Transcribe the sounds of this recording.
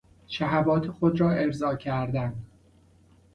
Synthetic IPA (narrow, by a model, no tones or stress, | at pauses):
ʃæɦævɒːt̪ʰexod̪ɾɒːʔe̞ɾzɒːcʰæɾd̪ænd̪